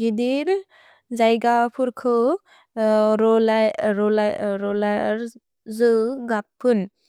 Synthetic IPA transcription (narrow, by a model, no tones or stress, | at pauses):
ɡidiɾ | zajɡapʰuɾkʰɯ | ɾɔlaɾɔlaɾɔlaɾ | zɯɡapʰːɯn